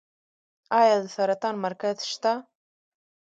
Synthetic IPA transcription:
ajaðfaɾat̪ʰanmarkʰatʰʃt̪ʰa

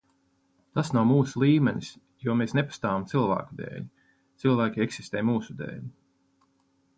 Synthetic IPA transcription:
t̪asnawmuːsulˠiːmɛnʲis | juɔmesnepḁst̪aːvamt̪silˠvæ̰ːkud̪ḛːlʲi | t̪silˠvæːkʲieksist̪eːjmuːsud̪ḛːʎʲi

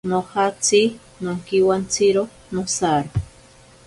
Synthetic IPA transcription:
nohat͡si | noŋkiwant͡siɾo | nosaɾo

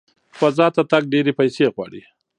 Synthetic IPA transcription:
fazɑt̪at̪aɡ̚ɖeɾepajseɣwɑ̰ːɽi

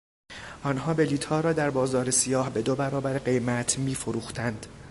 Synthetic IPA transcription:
ʔɒːnɦɒːbe̞liːt̪ʰɒːɾɒːd̪æɾbɒːzɒːɾesijɒːhbe̞d̪obæɾɒːbæɾeɢe̞jmæt̪ʰmiːfoɾuːxt̪ʰænd̪̥

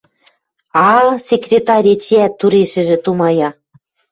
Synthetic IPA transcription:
ɑlsʲekrʲet̪ɑɾʲet͡ɕiæt̪ːuɾeʃɘ̆ʒĕt̪umɑjɑ

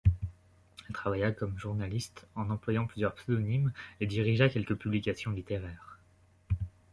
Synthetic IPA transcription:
ɛlt̪χavajakɔmʒuʁnalist̪ɑ̃nɑ̃plwajɑ̃plyzjœʁpsed̪ɔnimed̪iʁiʒakʲɛlkəpyblikʲasjɔ̃lit̪eʁɛːʁ

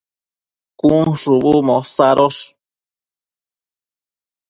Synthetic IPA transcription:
kuŋʂuβumõsaɾoʂ

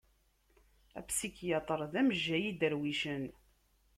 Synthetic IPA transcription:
æ̰psikjɑt̪ˤəɾˤðæməʒːæjid̪əɾwiʃən

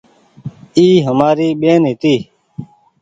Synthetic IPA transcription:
iːɦəmaːɾiːɓeːnɦɪt̪iː

